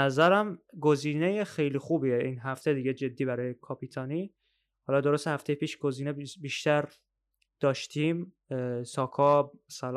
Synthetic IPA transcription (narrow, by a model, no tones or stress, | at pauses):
æzæɾæmɡoziːnejexe̞jliːxuːbieʔinɦæft̪ʰed̪iɡed͡ʒe̞d̪ːiːbæɾɒːjekʰɒpʰiːt̪ʰɒːniː | hɒːlɒd̪o̞ɾost̪ehæft̪e̞jepʰiːʃɡ̥oziːnebiːʃt̪ʰæɾ | d̪̥ɒːʃt̪ʰim | sɒːkʰɒbsælː